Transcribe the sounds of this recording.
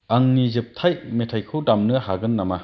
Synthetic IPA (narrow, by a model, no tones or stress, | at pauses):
aŋnizɯp̚tʰajmetʰajkʰɯdamnɯhaɡɯnːama